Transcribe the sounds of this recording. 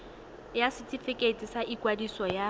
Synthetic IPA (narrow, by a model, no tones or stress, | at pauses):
jasɪtʰʼifɪkʼetʼisaʔikʼwadisɔja